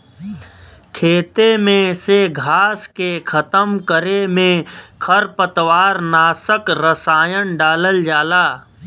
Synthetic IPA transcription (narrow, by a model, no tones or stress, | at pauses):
kʰeːt̪emẽseɡʱaːskekʰɐt̪əmkəɾemẽkʰəɾpət̪waːɾnaːsəkɾəsaːjənɖaːləld͡ʒaːlaː